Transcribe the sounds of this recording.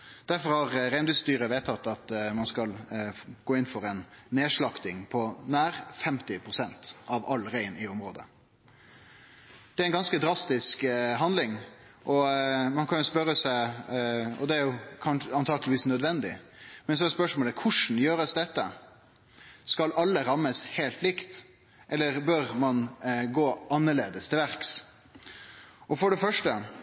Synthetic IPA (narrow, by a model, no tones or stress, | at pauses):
d̪̥æɾfɔɾhɑɾɾæɪd̪ʉst̪yːɾəʋeːt̪ʰɑt̪ːɑt̪mɑnskɑlɡ̥oːɪnfɔɾɛnːeːʂɭɑkt̪ɪŋpʰɔnæːɾfɛmt̪ɪpʰɾʊsɛnt̪ʔɑʋɑlːɾæɪnɪɔmɾoːd̪ə̰ | d̪̥ɛæɾæɪnɡɑnskəd̪ɾɑst̪ɪskɦɑnd̪lɪŋ | ʔɔmɑnkʰɑnjʊspœɾəsæɪ | ɔ̰d̪ɛæɾjʊkʰɑnʂəɑnt̪ʰɑːɡəlɪʋiːsnœd̪ʋɛnd̪ɪ̰mɛns̬ɔɛspœʂmoːləkʰʊʂn̩jøːɾəsd̪ɛt̪ːə | skɑlʔɑlːəɾɑmːəsheːlt̪lɪkt̪ | ʔɛlːəɾbœɾmɑnɡoːʔɑnːəɭeːd̪əst̪ʰɪlʋæɾks | ʔɔfɔɖɛfœʂʈə